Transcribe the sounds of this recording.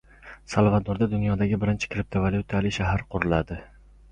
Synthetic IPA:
salˠvad̪oɾd̪ad̪ʊnjɒd̪aɡʲɪbɪɾɪnt͡ʃʰɪ̥kʰɾɪp̚t̪ʰovaljʊt̪ʰalɪʃaɦaɾqʰʊɾɪlad̪ɪ

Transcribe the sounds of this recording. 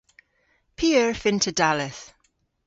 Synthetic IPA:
pʰiːəɹfɪ̃ntʰədalɪθ

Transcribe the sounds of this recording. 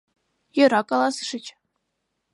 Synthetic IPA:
jɤ̆ɾɑkɑlˠɑsʂɘ̆t͡ɕ

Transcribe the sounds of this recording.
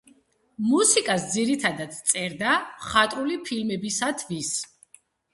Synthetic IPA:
musikʼasd̪ziɾit̪ʰad̪at̪t̪sʼɛɾd̪aχat̪ʼɾulipʰilmɛbisat̪ʰvis

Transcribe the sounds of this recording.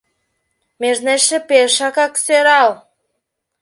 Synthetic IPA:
meʒneʃĕpeʃɑkɑkseɾɑl

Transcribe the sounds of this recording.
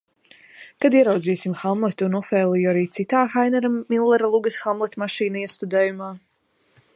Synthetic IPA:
kad̪iɛɾawd̪ziːsimxamlˠɛt̪ʲunɔfɛːlˠijuaɾiːt̪sit̪aːxajnɛɾamilˠːɛɾalˠuɡɐsxamlˠɛt̪ʲmaʃiːnaiɛst̪ud̪ɛːjumaː

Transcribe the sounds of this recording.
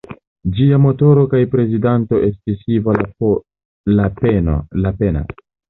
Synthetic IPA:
d͡ʒiamo̞to̞ɾo̞kajpɾe̞zidanto̞ʔe̞stisiva | lapen̰lapena̰

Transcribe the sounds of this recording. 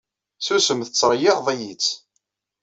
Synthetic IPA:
θusəmθət͡sːɾˤjiʁðˤæjit͡sː

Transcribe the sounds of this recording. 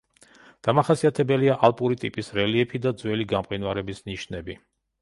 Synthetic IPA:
d̪̥amaχasiat̪ʰɛbɛliaʔalˠpʼuɾit̪ʼipʼisɾɛliɛpʰid̪ad̪zwɛliɡamqʼinwaɾɛbisniʃnɛbi

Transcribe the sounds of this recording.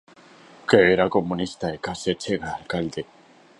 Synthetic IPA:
keeɾakomunist̪aekaset͡ʃeɣaːlkald̪e

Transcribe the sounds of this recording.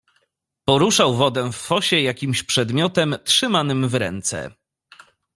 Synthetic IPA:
pɔɾuʂawvɔd̪ɛwfːɔɕɛjakʲimɕpʂɛd̪mʲjɔt̪ɛmtʂɘmanɘmvɾɛ̰nt̪sɛ̰

